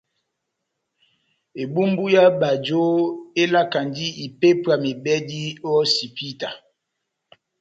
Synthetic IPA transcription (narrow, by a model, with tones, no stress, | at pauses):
e˨bu˦mbu˦ja˦ba˨d͡ʒo˦e˦la˦ka˨ndi˦i˨pe˦pa˨me˨bɛ˦di˦ɔ˦si˨pi˦ta˨